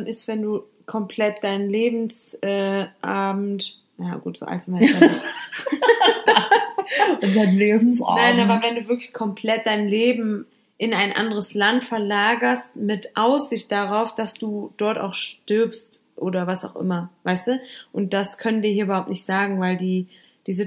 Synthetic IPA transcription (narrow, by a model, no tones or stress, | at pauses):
nʔɪstv̥ɛnduː | kʰɔmpʰlɛt̚d̥aɪnənleːbm̩sʔɛːʔaɐbm̩t | najaːɡ̥uːtz̥o̰ːʔa̰ltsmvaa | daɪnleːbm̩sa̰ːnaɪnʔaːbɐvɛnduːvɪɐklɪçkʰɔmpʰl̥ɛt̚d̥aɪnleːbm̩ | ʔɪnaɪnʔa̰ndəʁ̞əslantfɛɐlaːɡɐst̚mɪtʔaʊsz̥ɪçt̚d̥aʁaʊfd̥asd̥uːd̥ɔɐta̰ʊxʃtʏɐpstʔoːɾɐvasaʊxʔɪ̰mɐvaɪstuːʔʊnt̚d̥askʰœnənviːɐhiɐʔybɐhaʊp̚tnɪçtz̥aːɡŋ̩vaɪldiː | d̥iːzə